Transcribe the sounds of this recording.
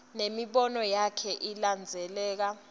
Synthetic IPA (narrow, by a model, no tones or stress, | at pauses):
nemiɓɔnɔjakʰɛʔiland͡zʱɛlɛːk̬a